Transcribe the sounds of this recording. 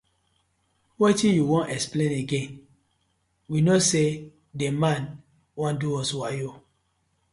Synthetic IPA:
wetĩnjuwõnɛksplẽneɡẽn | winose | demãn | wãnduɔswajo

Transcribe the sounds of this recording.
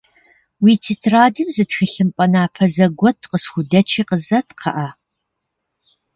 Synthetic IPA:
wiːtʰitʰraːdɨmzɨtxɨɬɨmpʼɐnaːpʰɐzɐɡʷɔtʰqəsxʷʊdɐt͡ʃʰiːqəzɐtʰqʰɐ̰ʔaː

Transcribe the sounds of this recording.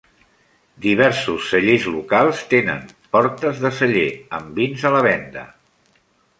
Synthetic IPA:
d̪iβ̞ɛɾsusːəʎezlukalˠst̪enə̰m | pɔɾt̪əzðəsəʎeəmbinzələβ̞ɛnd̪ə

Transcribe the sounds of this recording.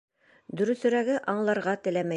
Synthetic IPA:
d̪ɵ̆ɾɵ̆θɵ̆ɾæɡɘʔɑɴlˠɑɾʁɑt̪ɘ̆læmæ

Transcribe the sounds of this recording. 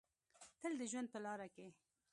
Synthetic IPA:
t̪əld̪əʒwand̪̚pəlɑːɾake

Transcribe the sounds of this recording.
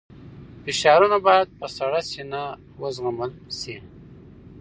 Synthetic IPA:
fiʃɑːɾunabajad̪̚pəsaɽasina | wəzɣaməlsi

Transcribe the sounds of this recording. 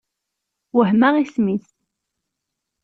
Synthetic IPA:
wəɦmæʁismiθ

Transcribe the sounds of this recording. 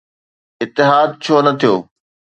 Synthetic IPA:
ɪt̪ːɪɦaːd̪̚t͡ɕʰoːnɐt̪ʰijoː

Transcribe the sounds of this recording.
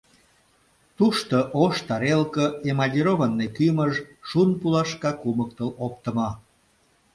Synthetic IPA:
t̪uʃt̪oʔoʃt̪ɑɾelkəemɑlʲiɾovənːekyməʒʃunpulɑʃkɑkumək̚t̪əlop̚t̪ə̆mɑ

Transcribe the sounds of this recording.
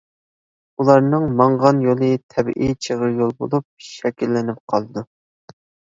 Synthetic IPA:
ulˠɑɾnɨŋmɑɴʁɑnjolˠɨt̪ʰɛbɪ̰ʔit͡ʃʰəʁəɾjolˠbo̰lˠup̚ʃɛkʲilːɪnɪp̚qʰɑlˠɨd̪u

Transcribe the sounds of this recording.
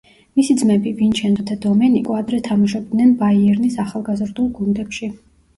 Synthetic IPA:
misid̪zmɛbivint͡ʃʰɛnd̪ɔt̪ʰɛd̪ɔmɛnikʼɔad̪ɾɛt̪ʰamaʃɛb̚d̪nɛnbaiɛɾnisaχalˠɡazɾd̪ulˠɡund̪ɛpʃi

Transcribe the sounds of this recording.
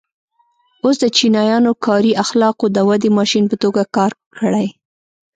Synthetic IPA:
osd̪ət͡ʃinɑjɑnokʰɑɾiaxlɑqod̪əwad̪emɑʃinpət̪oɡakɑɾkəɽaj

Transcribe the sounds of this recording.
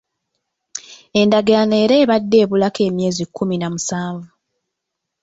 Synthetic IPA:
e̞ndaɡeane̞ːɾe̞ːβadːe̞ːβulake̞ːmje̞ːzikʰːuminamusaːɱvu

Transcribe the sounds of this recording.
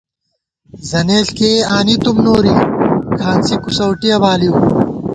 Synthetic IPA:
zɐneːɬkeːaːnit̪umnoːɾikʰaːnsikusɐwʈijɐbaːliw

